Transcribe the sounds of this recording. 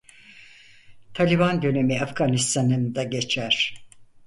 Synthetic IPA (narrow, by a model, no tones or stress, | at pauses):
t̪ʰalʲiband̪ø̞ne̞miafɡanist̪ʰanɯnd̪aɟe̞t͡ʃʰæɾ̥